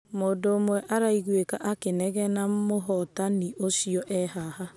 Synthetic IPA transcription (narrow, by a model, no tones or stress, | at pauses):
moːdoːmwɛʔaɾaiɣwekaʔakenɛɣɛnamoɦɔtaniʔosjɔʔɛɦaha